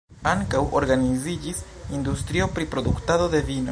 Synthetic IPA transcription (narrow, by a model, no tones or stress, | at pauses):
aŋkawoɾɡanizid͡ʒis | ind̪ust̪ɾio̞pɾipɾo̞d̪uktaðo̞d̪e̞vino̞